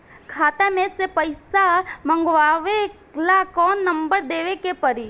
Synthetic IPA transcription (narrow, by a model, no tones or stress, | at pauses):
kʰaːt̪emẽsepəɪsamə̃ŋɡʋaːʋe | lakɔːnːɐ̃mbəɾd̪eːʋekepəɾi